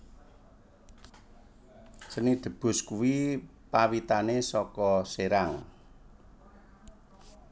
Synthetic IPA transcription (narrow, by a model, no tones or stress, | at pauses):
sənid̪̥ə̤b̥ʊ̤skuwipawit̪anesɔkɔseɾaŋ